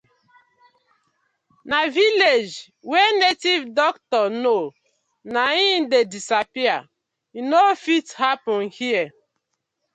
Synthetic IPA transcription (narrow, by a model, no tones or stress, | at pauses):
naviled͡ʒ | wenetivdɔktɔno | naĩndedisapia | inofithapɔ̃nhiɛ